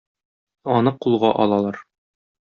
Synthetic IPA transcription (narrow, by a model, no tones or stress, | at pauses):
ɒnɤqulˠʁɑʔɒlˠɑlˠɑɾ